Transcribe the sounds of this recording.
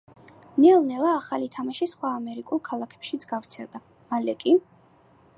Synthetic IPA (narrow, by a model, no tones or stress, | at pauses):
nɛlˠnɛlˠaːχalit̪ʰamaʃisχwaːmɛɾikʼulˠkʰalˠakʰɛ̥pʃizɡavɾt̪sʰɛlˠd̪a | malɛkʼi